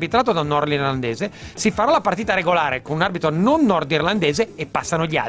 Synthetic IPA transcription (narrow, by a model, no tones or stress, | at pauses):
bit̪ɾaːt̪od̪anɔrd̪irland̪eːzesifaɾalapaɾt̪iːt̪aɾeɡolaːɾekonunarbit̪ɾononːɔrd̪irland̪eːzeːpːasːanoʎia̰